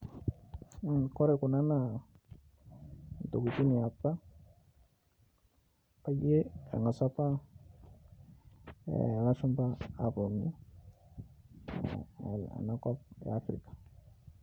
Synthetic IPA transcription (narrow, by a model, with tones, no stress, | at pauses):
kɔ˦ɾɛ˨ku˨na˦na˨ | n˨to˨ɡu˨ti˦ni˨a˨pːa˦ | pa˦je˦a̰˨ŋɡa˨sa˦pa˦ | la˦t͡ʃu˦mpaː˦˨pu˨ni˦˨ | a̰˨na˦kɔ˦p̚j̰a˦fɾḭ˨kḁ˨